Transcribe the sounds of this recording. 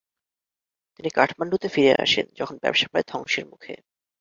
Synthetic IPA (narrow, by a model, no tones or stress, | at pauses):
t̪inikaʈʰmanɖut̪efiɾḛʔa̰ʃḛnd͡ʑɔkʰonbɛ̰bʃḁpaed̪ʱɔŋʃeɾmukʰḛ